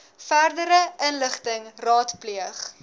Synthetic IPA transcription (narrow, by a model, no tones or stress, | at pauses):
færdəɾəʔənləχtəŋrɑːtpliəχ